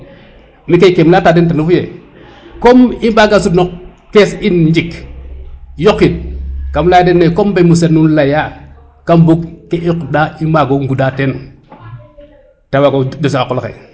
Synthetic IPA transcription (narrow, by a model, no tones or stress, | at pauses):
mikejkemlatadentanufuje | komimbaɡasudnok | kesinɲd͡ʒik | jokinkamlajadenːekombemus̬enunlaja | kambukkeʔokdaimbaɡoŋɡudaten | tawaɡod͡ʒos̬ikakolkḛ